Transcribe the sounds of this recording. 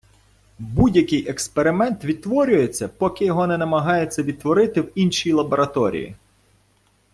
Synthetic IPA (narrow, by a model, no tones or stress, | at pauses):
budʲjɐkɪjʔekspeɾɪmɛnt̪ʋʲid̪̚t̪ʋɔɾʲʊjet͡sʲːɐpɔkɪjɔɦɔnɛnɐmɐɦɑjet͡sʲːɐʋʲid̪̚t̪ʋɔɾɪt̪ɪwinʃijilˠɐbɔɾɐt̪ɔɾʲḭjḭ